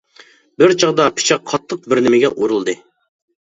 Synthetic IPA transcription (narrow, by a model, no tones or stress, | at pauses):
bɪɾt͡ʃʰɑʁd̪ɑpʰɪ̥t͡ʃʰɑqʰːɑt̪ʰːɨq̚bɪɾnɪmɪɡʲɛ̰ʔoɾulˠd̪ɨ